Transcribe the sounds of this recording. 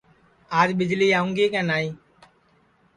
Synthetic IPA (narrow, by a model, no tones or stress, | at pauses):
aːd͡ʒɓɪd͡ʒliːaːʊ̃ŋɡeːkɛ̃ːnaːĩː